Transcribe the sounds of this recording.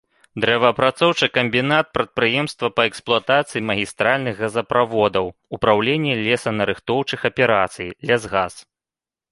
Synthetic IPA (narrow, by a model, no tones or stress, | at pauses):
d̪ɾɛvɐpɾat̪sɔwt͡ʂɨkɐmʲbʲin̪at̪̚pɾɐt̪̚pɾɨjɛmst̪vɐpɐɛksplˠuat̪at̪sɨjimɐɣʲist̪ɾalʲnɨxɣɐzɐpɾavɔd̪ɐwupɾawlʲenʲːɛlʲɛsɐnɐɾɨxt̪ɔwt͡ʂɨxɐpʲɛɾat̪sɨjilʲɛzɣas